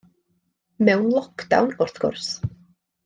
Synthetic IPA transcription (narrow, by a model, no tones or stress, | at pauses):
mɛwnlˠɔkd̥a̰wnɔrθkʰʊ̰rs